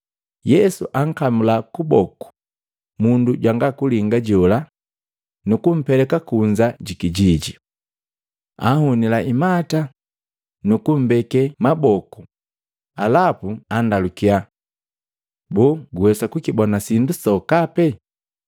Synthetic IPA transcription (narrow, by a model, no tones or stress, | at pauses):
jɛsṵʔaŋ̩kamulakubɔku̥ | munduɟwaŋɡakuliŋɡaɟɔla | nukum̩pɛlɛkakuɲd͡ʒaɟikiɟiɟi | a̰hunilaʔimata | nukum̩bɛkɛmabɔku | alapuandalukia | bɔɡuwɛsakukibɔnasindusɔkapɛ